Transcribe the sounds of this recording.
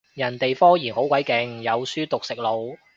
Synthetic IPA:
jɐ˨˩nt̪e˨jfɔː˥ŋjiː˨˩nho˨˥wkʷɐ˨˥jkɪ˨˧ŋjɐ˨˧wsyː˥t̪ʊ˨k̚sɪ˨k̚lo˨˧w

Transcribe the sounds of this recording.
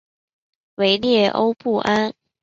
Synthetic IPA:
we˧˥ɪljɛ˥˩ʔo˦ʊpu˥˩ʔa˥n

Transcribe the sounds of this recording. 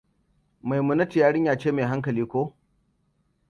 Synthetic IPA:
ma˨jmʊ˦nɐ˦ti˨jaː˦ɽɪ˦ɲjaː˦t͡ʃeː˦meː˨ɦa˦ŋkɐ˨liː˦kʷoː˦

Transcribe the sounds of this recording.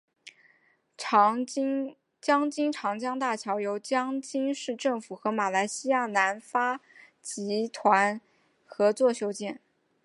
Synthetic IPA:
t͡ɕjɑ˥ŋt͡ɕi˥ŋʈ͡ʂʰɑ˧˥ŋt͡ɕjɑ˥ŋt̪a˥˩t͡ɕʰjɑ˧˥ʊjo˧˥ʊt͡ɕjɑ˥ŋt͡ɕi˥ŋʂɻ̩˥˧ʈ͡ʂɤ˥˩ŋfu˨˩xɤ˧˥ma˨˩la˧˥ɪɕi˥ja˥˩na˧˥nfa˥ | t͡ɕi˧˥t̪ʰwa˧˥n | xɤ˧˥t͡swɔ˥˩ɕjo˥ʊt͡ɕjɛ˥˩n

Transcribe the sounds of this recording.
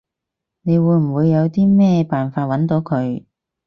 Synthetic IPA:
ne˨˧jwuː˨˧˥jm̩˨˩wuː˨˧jːɐ˨˧wt̪iː˥mɛː˥paː˨˩nfaː˧t̚wɐ˨˥nt̪o˨˧˥wkʰɵ˨˧ɥ

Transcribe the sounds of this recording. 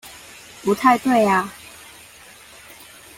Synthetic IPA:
pu˨˦t̪ʰa˥˧ɪt̪we˥˨˩ɪa˨

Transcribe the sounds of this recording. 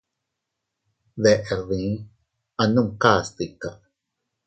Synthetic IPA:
ðe˨ʔe˨ɾðĩ˨˦ | a˨nu˦mka˦st̪ikaʔ

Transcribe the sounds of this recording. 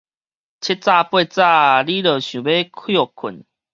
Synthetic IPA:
t͡ɕʰi˦˥t̚t͡sa˥˧˨pwe˥˧˨t͡sa˥˧li˦lə˨˩ɕũ˨˩be˦kʰjɔ˥˨kʰu˨˩˦n

